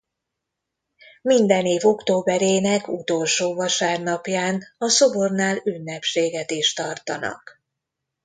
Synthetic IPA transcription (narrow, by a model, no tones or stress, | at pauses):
mind̪ɛneːvo̞kt̪oːbɛɾeːnɛkut̪o̞lʃoːvɒʃaːrnɒpjaːnɒso̞bo̞rnaːlynːɛpʃeːɡɛt̪iʃt̪ɒrt̪ɒ̰nɒ̰k